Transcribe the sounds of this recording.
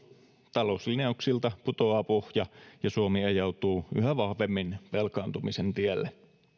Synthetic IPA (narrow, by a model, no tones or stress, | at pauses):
t̪ɑlo̞uslineɑuksilt̪ɑput̪oɑːpohjɑjɑsuomiejɑwt̪uːy̰ɦæʋɑhʋe̞mːinpelkɑːnt̪umisent̪ielːe